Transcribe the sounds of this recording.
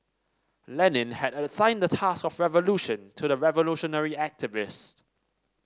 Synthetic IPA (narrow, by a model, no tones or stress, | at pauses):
lɛnɪ̃nhɛdəsãɪ̃ndətʰaskɔfɹɛvəluʃə̃ntʰudəɹɛvəluʃənəɹiæk̚tɪvɪs